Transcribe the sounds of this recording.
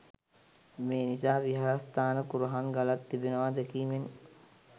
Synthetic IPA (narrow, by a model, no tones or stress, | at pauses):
meːnisaːʋiɦaɾast̪aːnəkuɾuɦaŋɡalat̪ːibinəʋaːd̪ekiːmen